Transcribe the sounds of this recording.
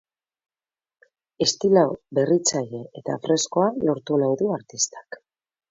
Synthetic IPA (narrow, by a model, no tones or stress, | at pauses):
e̞st̪ilabe̞rit͡saʎe̞et̪afre̞sko̞alo̞ɾt̪unajðuaɾt̪ist̪ḁk